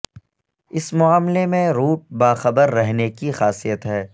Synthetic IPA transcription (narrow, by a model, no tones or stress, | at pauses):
ɪsmʊaːmlemẽɾuːʈ̚baːxɐbəɾːɛɦnekixaːsijət̪ɦɛː